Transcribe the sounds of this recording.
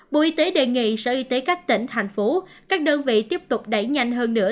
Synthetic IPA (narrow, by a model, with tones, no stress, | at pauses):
ɓo̰˧˨ʔi˧t̪e˨˦ɗe˨˩ŋḭ˧˨sə̰˧˩ʔi˧˦t̪e˨˦kaː˦˥k̚t̪ḭ̈˧˩ŋ̟t̪ʰa˨˩jŋ̟fo˨˦kaː˦˥k̚ɗəː˧nvḭ˧˨t̪i˦˥əp̚t̪ʊ˨˩k͡p̚ɗa˧˩jɲa˧jŋ̟ɦəː˧nːɨ̰˧˥ə